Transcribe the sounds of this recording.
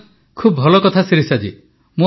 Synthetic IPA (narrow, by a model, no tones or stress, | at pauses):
kʰubbʱɔlɔkɔt̪ʰasiɾisad͡ʒi | mũ